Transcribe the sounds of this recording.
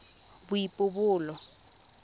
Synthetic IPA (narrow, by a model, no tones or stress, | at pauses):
bujipʼʊbʊːlɔ